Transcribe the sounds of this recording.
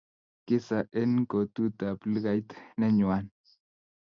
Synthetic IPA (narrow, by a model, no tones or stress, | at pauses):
kɪsaʔenkot̪ut̪aplɡajt̪neɲwan